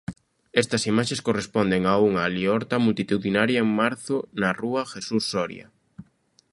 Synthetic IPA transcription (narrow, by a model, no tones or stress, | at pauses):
ɛst̪ɐsimaʃeskorespɔnd̪eŋauŋaliɔɾt̪ɐmult̪it̪uðinaɾjaeŋmaɾθʊnaruaxesusːɔɾj̰a̰